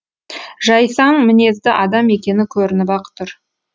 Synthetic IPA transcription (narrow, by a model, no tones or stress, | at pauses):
ʒɑjsɑɴmɪne̞zd̪ɪʔɑd̪ɑme̞kʲe̞nɪkʲʰɵɾɪnɪpɑqə̥t̪ʰːʊɾ